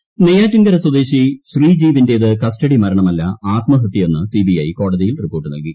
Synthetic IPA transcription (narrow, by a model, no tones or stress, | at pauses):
nejaːtːuŋɡɐɾɐswɐd̪eːɕiɕriːd͡ʑiːʋinde̞ɐðɨkɐstɐɽimɐɾɐɳɐmɐlːɐaːt̪mɐɦɐt̪ːjɐo̞nːɨsibiɐ̰jko̞ːɽɐðijilripːo̞ːʈːɨnɐ̰lɡi